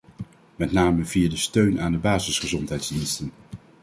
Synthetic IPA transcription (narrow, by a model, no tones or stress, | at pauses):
mɛtnaːməviːəɹdəstøɥnʔaːndəbaːzɪsχəzɔntɦɛjdzdinstən